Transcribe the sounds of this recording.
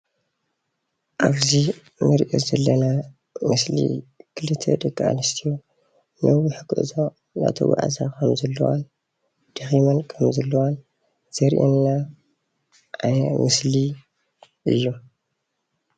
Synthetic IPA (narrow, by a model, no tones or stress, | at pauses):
ʔaβzi | nɨɾʔo̰zɐlːɐna | mɨslḭkʰɨlɨt̪ʰːḛd̪ɐkːaʔa̰lɨst̪ʰijo | nɐwiħɨkːɨ̰ʔzo | na̰t̪ʰɐ̰wa̰ʕa̰zakʰɐmzɐlːɐ̰wa̰n | d̪̥ɨximɐnkʰɐmzɐlːɐwan | z̥ɐɾʔḛnːa | ʔajmɨsli | ʔɨjːu